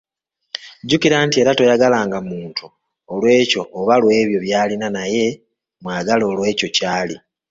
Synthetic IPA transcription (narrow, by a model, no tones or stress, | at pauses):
ɟukiɾaːntie̞ːɾato̞jaɡalaːŋɡamuːntʰu | olwe̞ːco̞ːβalwe̞ːβjo̞βjaːlinanaje̞ | mwaːɡalo̞ːlwe̞ːco̞caːli